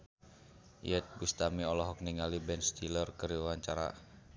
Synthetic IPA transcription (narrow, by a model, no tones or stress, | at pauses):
jət̪̚ɡust̪amiɔlɔɦɔk̚niŋalibɛnst̪ilərkəɾiawaɲt͡ʃaɾa̰